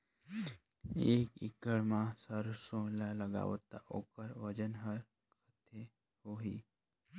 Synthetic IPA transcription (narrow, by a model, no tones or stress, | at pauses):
eːkɪ̰kəɭmãsəɾsõlaləɡa̰ʋət̪a̰ʔokəɾʋəd͡ʒənɦəɾ | kʰət̪ʰe | hoɦiː